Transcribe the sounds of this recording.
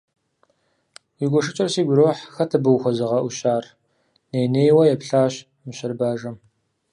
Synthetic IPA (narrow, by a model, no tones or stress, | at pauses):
jiɡʷɔʂɨt͡ʃʼɐrsiːɡʷʊɾoːħxɐtʰɐbɨwxʷɔzɨʁɐʔʷʊɕaːr | neːjneːjwɐjɛpɬaːɕ | mɨɕɪrbaːʒɐm